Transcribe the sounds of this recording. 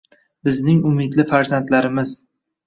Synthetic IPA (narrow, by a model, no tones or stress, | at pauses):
bɪznɪŋʊmɪd̪lɪfaɾzant̪laɾɪmɪz